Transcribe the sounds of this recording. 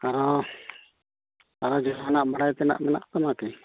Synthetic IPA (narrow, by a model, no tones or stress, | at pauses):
aɾɔ | aɾɔd͡ʒɔɦanaʔbaɽajt̪ɛna̰ʔmɛna̰ʔt̪amakɛ